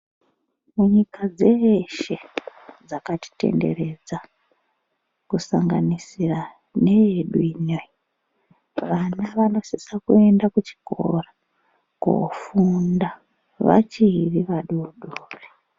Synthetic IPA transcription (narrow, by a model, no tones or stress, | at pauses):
muɲikad͡zeʃe̞d͡zakati̥te̞̰nde̞̰re̞d͡za | kusaŋɡanisira | ne̞jeɗuinoi | ʋanaʋano̞sisakue̞ndakut͡ʃi̥ko̰ra | ko̰funda | ʋa̰t͡ʃiriʋaɗuuɗuːre